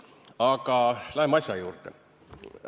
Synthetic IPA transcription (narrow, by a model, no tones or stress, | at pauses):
ɑɡ̥ɑlæhemɑɕsʲjɑjuːrt̪ḛ